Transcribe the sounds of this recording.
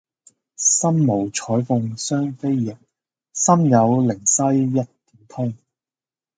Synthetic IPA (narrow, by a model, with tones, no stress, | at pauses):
sɐ˥mmo˨˩wt͡ʃʰɔː˨˥jfʊ˨˧ŋsœː˥ŋfe˥jːɪ˨˩k̚ | sɐ˥mjɐ˨˧wlɪ˨˩ŋsɐ˥jːɐ˥t̚t̪i̥ː˨˥nt̪ʰʊ˥ŋ